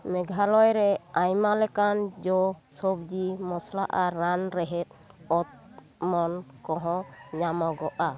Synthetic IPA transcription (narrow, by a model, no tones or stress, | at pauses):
mɛɡʱalɔjɾɛajmalɛkand͡ʒɔsɔb̚d͡ʒimɔslaʔaːanɾɛɦɛt̪̚ɔt̪̚ | mɔnkɔɦɔ̃ɲamɔɡɔʔa